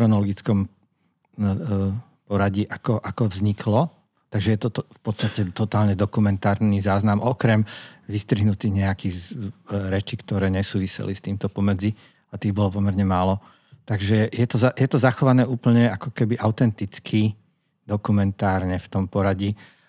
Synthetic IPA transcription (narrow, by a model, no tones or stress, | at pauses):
ɾɔnɔlɔɡit͡skɔm | pɔɾaɟiʔakɔʔakɔvzɲikʰlɔ | t̪aɡʒɛjɛt̪ɔfpɔt̪st̪acɛt̪ɔt̪aːlɲɛd̪ɔkumɛnt̪aːɾnizaːznamʔɔkɾɛmʋist̪ɾiɦnut̪iɣɲɛakiɣ | ɾɛt͡ʃikt̪ɔɾɛːɲɛsuːʋisɛ̰list̪iːmt̪ɔpɔmɛd͡zi | at̪iːbɔlɔpɔmɛɾɲɛmaːlɔ | t̪aɡʒɛjɛt̪ɔzajɛt̪ɔzaxɔʋanɛːuːpl̩ɲɛakɔkɛbiʔaʊt̪ɛnt̪it͡skʰi | d̪ɔkumɛnt̪aːɾɲɛft̪ɔmpɔɾaɟi